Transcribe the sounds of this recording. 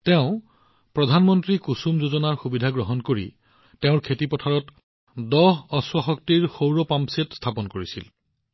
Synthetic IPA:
teʊ̃ | pɹɔdʱanmɔntɹikusumzozɔnaɹxubidʱaɡɹɔɦɔnkoɹḭ | tɛʊ̃ɹkʰetipɔtʰaɹɔt | dɔɦɔswaxɔk̚tiɹxowɹɔpampsetstʰapɔnkoɹisḭl

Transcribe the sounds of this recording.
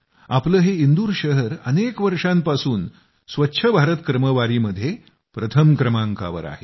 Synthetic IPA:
apləːɦeind̪uːɾɕəɦəɾənekʋəɾʂampasuːn | sʋətːɕʰəbʱaɾət̪kɾəməʋaɾiːməd̪ʱːje | pɾət̪ʰəmkɾəmaŋka̰ʋə̰ɾa̰ɦe

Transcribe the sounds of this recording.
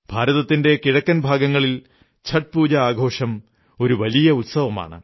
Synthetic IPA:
bʱaːɾɐðɐt̪ːinde̞kiɻɐkːɐnbʱaːɡɐŋːɐɭil | t͡ɕʰɐʈ̚puːd͡ʑɐaːɡʱo̞ːʂɐm | o̞ɾuʋɐlijɐut̪sɐʋɐma̰ːɳɨ̰

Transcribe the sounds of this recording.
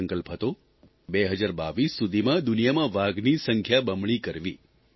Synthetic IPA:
əŋkəlpɦət̪o | beɦəd͡ʒaɾba̰ʋisːud̪ʱimãd̪ʊnijamãʋaɡnisəŋkʰjabəmɭ̃ikəɾʋi

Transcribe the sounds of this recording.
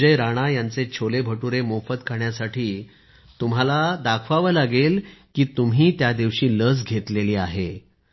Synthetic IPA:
d͡ʑəjɾaɽ̃ajant͡set͡ɕʰolebʱəʈuɾemofət̪kʰaɳjasaʈʰiː | t̪um̤alad̪akʰʋaʋəlaɡelkiːt̪um̤iːt̪jad̪iʋɕiːləd͡zɡʱet̪leliːaɦe

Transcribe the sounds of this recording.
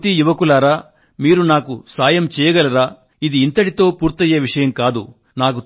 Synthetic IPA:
t̪ijuʋɐkulaːɾaː | miːɾunaːkusaːjɐmt͡ʃɛːjɐɡɐlɐɾaː | id̪iːnt̪ɐɽit̪o̞ːpuːɾt̪ɐjɐʋiʂɐjɐmkaːd̪ṵ | naːk̬u

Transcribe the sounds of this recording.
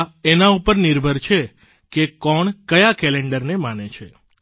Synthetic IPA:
enaupəɾniɾbʱəɾt͡ʃʰe | kekɔɳkəjakɛleɳɖəɾnemanet͡ʃʰe

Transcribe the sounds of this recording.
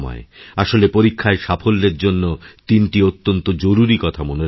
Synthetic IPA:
mɔ̰eaʃolepoɾikʰːaeʃafolːeɾd͡ʑonːot̪inʈiot̪ːont̪od͡ʑoɾuɾikɔt̪ʰamone

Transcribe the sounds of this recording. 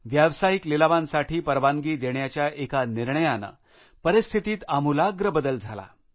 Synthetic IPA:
ʋjaʋsaɦiklilaʋãnsaʈiːpəɾʋaŋɡiːd̪eɳjat͡ɕjaʔekaniɾɳəjana̰ | pəɾist̪ʰit̪iːt̪amulaɡɾəbəd̪əld͡zʱala̰

